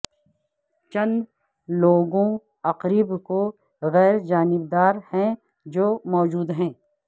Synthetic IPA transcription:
t͡ʃɐ̃nd̪ | loːɡõ | ɐqɾiːbko | ɣɛːɾd͡ʒaːnɪbd̪aːɾhɛ̃ | d͡ʒoːmɔːd͡ʒuːd̪ɦɛ̃ː

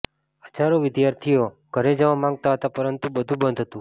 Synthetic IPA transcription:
ət͡ʃaɾoʋɪd̪jaɾt̪ʰijo | ɡ̥ʱəɾed͡ʒəʋamãŋɡ̚t̪aɦət̪apəɾənt̪ubəd̪ʱũbənd̪ʱɦət̪ũ

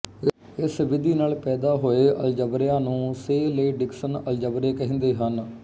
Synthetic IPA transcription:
ɪsʋɪd̪iːnaːlpɛːd̪aːɦoːeːʔə̰ld͡ʒəbɾjãːnũːseːleːɖɪksənəld͡ʒəbɾeːkəɦĩːnd̪eːɦən

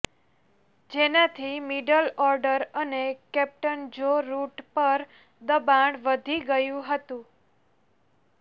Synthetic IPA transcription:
d͡ʒenat̪ʰimiɖəlɔɾɖəɾənekɛp̚ʈənd͡ʒoɾuʈpəɾ | d̪əbaɳʋəd̪ʱiɡəjũɦət̪ũ

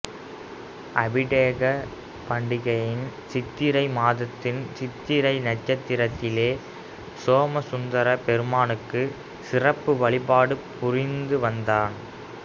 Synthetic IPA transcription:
ʔɐbɪɽeːɣɐ | pɐɳɖɪɣɐjɪnsɪt̪ːɪɾɐɪmaːðɐt̪ːɪnsɪt̪ːɪɾɐɪnɐʈt͡ʃɐt̪ːɪɾɐt̪ːɪleː | soːmɐsʊnd̪ɐɾɐpɛɾɯmaːnɯkːɯ | sɪrɐpːɯʋɐɭɪpaːɽɯpʊrɪnd̪ɯʋɐnd̪aːn

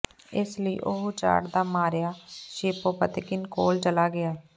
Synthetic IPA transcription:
ɪsləḭːʔoɦut͡ʃa̰ːɽd̪aːmaːɾɪjaːʃeːpoːpət̪ɪkɪnkoːlt͡ʃəlaːɡɪaː

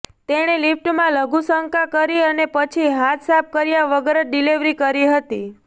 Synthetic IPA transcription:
t̪eɽ̃elifʈmãləɡusəŋkakəɾiənepət͡ʃʰiɦat̪sap̚kəɾjaʋəɡəɾəɖiliʋɾikəɾiɦət̪i

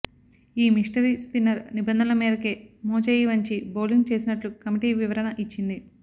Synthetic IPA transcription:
iːmiʂʈɐɾispinɐɾnibɐnd̪ʱɐnɐmiːɾɐkeːmoːt͡ʃɐjiʋɐɲt͡ʃiboːliŋɡt͡ʃe̞ːsinɐʈlukɐmiʈiːʋiʋɐɾɐnɐʔit͡ʃːind̪i

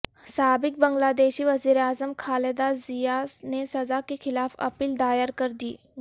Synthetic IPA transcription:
saːbɪk̚bɐ̃ŋɡlaːd̪eːʃiʋɐziːɾeaːzəmkʰaːled̪azijanesɐzakexɪlaːfɐ̰piːld̪aːjəɾkəɾd̪iː

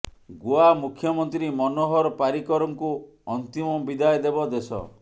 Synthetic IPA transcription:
ɡuamukʰjɔmɔnt̪ɾimɔnoɦɔɾɔpaɾikɔɾɔŋku | ɔnt̪imɔbid̪ajd̪ebɔd̪esɔ̰

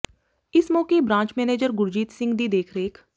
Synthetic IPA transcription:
ɪsmõːkebɾãːɲt͡ʃmɛːneːd͡ʒəɾɡʊɾd͡ʒiːt̪sɪ̃ŋɡd̪id̪eːkʰɾeːk

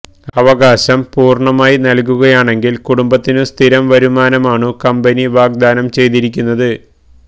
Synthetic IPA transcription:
ɐʋɐɣaːɕɐmpuːrɳɐmaːjinɐlkuɣɐjaːɳe̞ŋɡilkuɽumbɐt̪ːinɨst̪ʰiɾɐmʋɐɾumaːnɐmaːɳɨkɐmbɐniʋaːɡ̚d̪aːnɐmt͡ɕe̞jt̪iɾikʲːunːɐðɨ

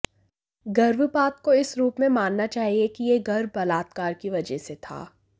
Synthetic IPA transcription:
ɡɐɾʋpaːt̪̚koɪsɾuːpmẽmaːnːat͡ʃaːɦiekijeɡɐɾʋbɐlaːt̪̚kaːɾkiʋɐd͡ʒɛset̪ʰa̰ː

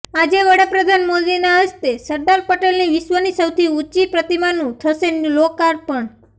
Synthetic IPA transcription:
ad͡ʒeʋəɽapɾəd̪ʱanmod̪inaəst̪esəɾɖaɾpəʈelniʋɪʃʋənisəwt̪ʰiut͡ʃipɾət̪imanũt̪ʰəʃenũlokaɾpəɳ

